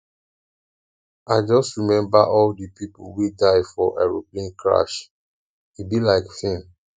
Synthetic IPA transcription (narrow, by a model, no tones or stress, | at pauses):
aɪd͡ʒɔstɹimɛ̃mbaʔɔldipipolwidaɪfɔʔa̰ɹobĩnkʰɹa̰ʃ | ubilaɪkfɛ̃n